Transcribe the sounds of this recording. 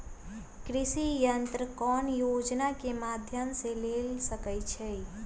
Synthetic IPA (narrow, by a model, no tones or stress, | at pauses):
kɾisijənt̪ɾəkɔnjod͡ʒnakemad̪ʱjəmselelsəkəjt͡ʃʰəj